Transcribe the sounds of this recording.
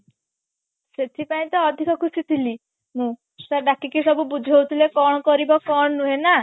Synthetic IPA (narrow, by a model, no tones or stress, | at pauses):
set̪ʰipaĩt̪ɔːd̪ʱikɔkʰusit̪ʰili | mũ | staɖakikisɔbubud͡ʒʱɦowt̪ʰilekɔɽ̃ɔkɔɾibɔkɔɽ̃ɔnũɦena